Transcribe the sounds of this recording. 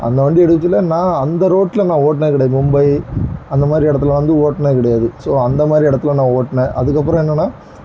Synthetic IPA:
ɐ̰nd̪ɐʋɐɳɖɯɛɽɯːɪlːɐnãːɐnd̪ɐɾoːʈːlɐnãːoːʈ̬nẽkɪɽɐjmmʊmbɐɪɐnd̪ɐmaːd̪ɾiɛɽɐt̪ːɯlɐʋɐnd̪ɯoːʈːɳẽkɪɽɐjaːðɯsoːɐnd̪ɐmaːd̪ɾiɛɽɐt̪ːɯlɐnãːoːʈːɳẽːʔɐðɯkːɐp̬ːɯɾɐ̃ɛnːɐnːaː

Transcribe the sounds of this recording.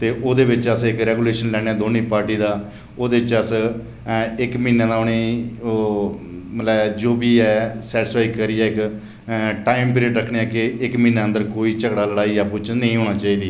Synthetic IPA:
t̪eːʔoːd̪eːʋɪt͡ʃəsɪkɾɛːɡuːleːʃənlɛːɽ̃eãːd̪oːniːpaːɾʈiːd̪aː | oːd̪eːɪt͡ʃəs | ɪkmĩːnãːd̪aːʊniː | mət̪lɛd͡ʒoːbiːɛːsɛːʈɪspaːɡkəɾiːɛːɪk | ʈaːimpɪɾiːəɖɾəkʰɳeɛːkɪɪkmĩːnãːə̃nd̪əɾkoːiːt͡ʃəkɽaːləɽaːiːɛːpʊt͡ʃnəĩːɦoːɽ̃aːt͡ʃaːiːd̪iː

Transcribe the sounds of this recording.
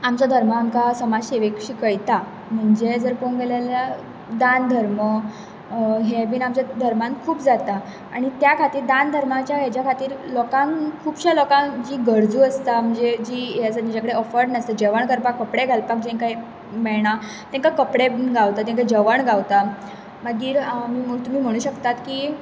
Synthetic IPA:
amt͡sɔd̪ʱəɾməːmkasəmad͡zseʋekɕikəjt̪a | m̤əɳd͡zed͡zəɾkonɡeljalja | d̪and̪ʱəɾmə | ɦebiːnamt͡ɕad̪ʱəɾmãnkʰuːpd͡zat̪aː | ɽ̃it̪jakʰat̪iːɾd̪and̪ʱəɾmat͡ɕjaɦet͡ɕjakʰat̪iːɾlɔkãŋkʰuːbɕalɔkãŋd͡ʑiːɡəɾd͡zuːəst̪am̤əɳd͡zed͡ʑiːjat͡sat̪mid͡ʑakəɽeɔfəɾnəst̪əd͡ʑəʋəɳkəɾpakːəpɽeɡʱəlpak̚d͡ʑẽkaɦi | mɛɭɳ̃a | t̪ɛ̃ŋkakəpɽebinɡawt̪at̪̬ẽŋk̬ad͡ʑəʋəɳɡawt̪a | məɡiːɾmiːmt̪um̤iːm̤əɽ̃uːɕəkt̪at̪kiː

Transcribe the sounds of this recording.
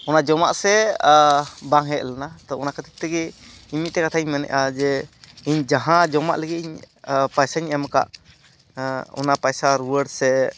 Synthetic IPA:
ɔnad͡ʒɔma̰ʔsɛ | baŋɦɛʔlanat̪ɔɔnakət̪ʰɛ̥p̚t̪ɛɡɛimit̪̚t̪ɛkat̪ʰaiɲmanɛ̰ʔad͡ʒɛiɲd͡ʒaɦãd͡ʒɔma̰ʔləɡɛiɲ | pajsaɲɛmka̰ʔ | ɔ̰napajsaɾuwəɽsɛ

